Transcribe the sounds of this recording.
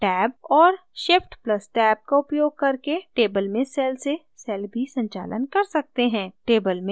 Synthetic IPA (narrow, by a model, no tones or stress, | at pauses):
ʈɛːb̚ɔːɾ | ʃɪfʈplɐsʈɛːb̚kaʊpjoːɡ̚kɐɾkeʈeːbəlmẽsɛːlse | sɛːlbʱisɐ̃ɲt͡ʃa̰ːlə̰nkɐɾsɐk̚t̪eɦɛ̃ːʈeːbəlmẽ